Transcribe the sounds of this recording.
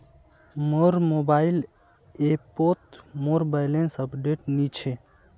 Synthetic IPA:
moɾmobail | epot̪moɾbaɪlensəpɖeʈnit͡ʃʰe

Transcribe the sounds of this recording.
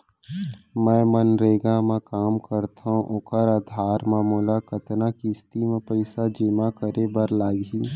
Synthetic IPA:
mɛ̃ːmənɾeːɡãmẽkaːmkəɾt̪ʰaũʔʊkəɾaːd̪ʱaːɾmaːmuːlakət̪nakist̪imẽpəɪsad͡ʒɪmakəɾebəɾlaːɡiː

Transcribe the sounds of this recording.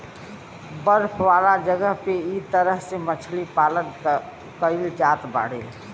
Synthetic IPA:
bəɾpʰʋaːlad͡ʒəɡəɦpeit̪əɾəɦsemət͡ʃʰlipalən | kəilt͡ʃaːt̪ba̰ːɽḛ

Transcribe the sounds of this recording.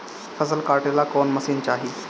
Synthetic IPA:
fəsəlkaːɾʈelakoːnməsiːnt͡ɕaːɦiː

